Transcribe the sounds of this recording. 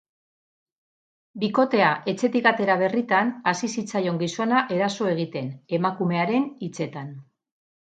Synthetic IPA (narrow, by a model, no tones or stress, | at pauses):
biko̞t̪e̞aʔe̞t͡se̞t̪ikat̪e̞ɾaβ̞e̞rit̪anasisit͡sajo̞ŋɡiso̞naʔe̞ɾaso̞e̞ɣ̞it̪e̞ne̞makume̞aɾe̞nit͡se̞t̪an